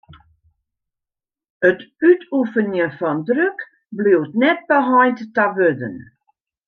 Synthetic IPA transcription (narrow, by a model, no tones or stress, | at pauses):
ətytʰufənjəfɔndrøk | bliwtnɛt̚bəɦɔjntːaʋødə̰n